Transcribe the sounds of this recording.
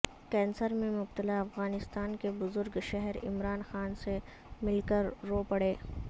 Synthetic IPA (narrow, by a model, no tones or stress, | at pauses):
kɛ̃ːnsəɾmẽmʊbt̪əlaɐfɣaːnɪst̪aːnkebʊzʊɾɡʃɛɦɛɾɪ̰mɾaːnxaːnse | mɪlkəɾːoːpɐɽeː